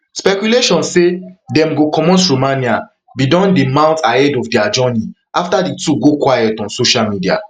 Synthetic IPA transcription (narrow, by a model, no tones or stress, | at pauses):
spɛkjuleʃɔ̃nssedɛ̃mɡokɔ̃mɔ̃ntɹomania | bidɔ̃ndemãʊ̃ntahɛdɔfdɛad͡ʒɔni | ʔaftadituɡokwajɛtɔ̃nsoʃalmidia̰